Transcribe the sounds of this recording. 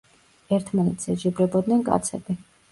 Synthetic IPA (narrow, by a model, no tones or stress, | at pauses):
ɛɾt̪ʰmanɛt̪sʰzɛd͡ʒɛbɾɛbɔd̪nɛnkʼa̰t̪sʰɛ̰bi